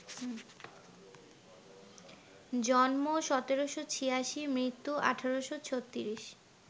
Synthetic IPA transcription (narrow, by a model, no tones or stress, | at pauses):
d͡ʑɔnmoʃɔt̪eɾoʃot͡ɕʰijaʃimɾit̪ːuʔa̰ʈʰaɾoʃot͡ɕʰot̪ːiɾiʃ